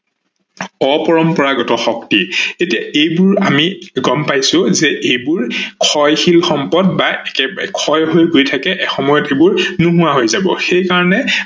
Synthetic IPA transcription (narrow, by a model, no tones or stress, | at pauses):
ɔpɔɹɔmpɔɹaɡɔtɔxɔktietijaejbʊɹamiɡɔmpajsʊ̃zɛʔejbʊɹkʰɔjxilxɔmpɔdbaʔɛkɛkʰɔjɦojɡojtʰakɛʔɛxɔmɔjɔtebʊɹnuɦʊwaɦojzabɔ̰xejkaɹɔnɛ